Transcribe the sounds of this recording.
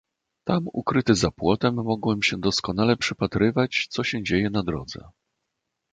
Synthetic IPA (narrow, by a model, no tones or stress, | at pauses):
t̪amṵkɾɘt̪ɘzapwɔt̪ɛmːɔɡwɛmɕɛd̪ɔskɔnalɛpʂɘpat̪ɾɘvat͡ɕt̪sɔɕɛd͡ʑejɛnad̪ɾɔ̰d̪zɛ̰